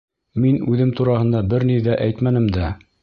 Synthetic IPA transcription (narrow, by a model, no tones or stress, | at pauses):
minʉðɘmt̪uɾɑhɤ̆nd̪ɑbɘɾniðæʔæjt̪mænɘmd̪æ